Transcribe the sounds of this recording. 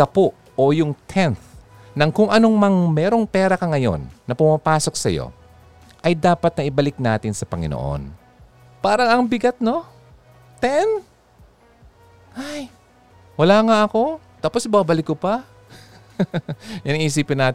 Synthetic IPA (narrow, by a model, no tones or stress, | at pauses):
kɐpoʔ | ʔojʊŋt̪ʰɛnθ | nɐŋkʊŋʔɐno̞ŋmɐŋmɛːɾoŋpɛːɾɐkɐŋɐjo̞̰nːɐpʊmapaːso̞k̚sɐjo̞̰ | ʔɐjd̪aːpɐt̪̚nɐʔɪbɐlɪk̚naːt̪ɪnsɐpɐŋɪ̰no̰ʔo̰n | paːɾɐŋɐŋbɪɡat̪̚no̞ | t̪ɛn | haj | wɐlaŋaʔɐko̞t̪aːposbabɐlɪkːʊpa | jʊŋiʔsiːpɪnːaːt̪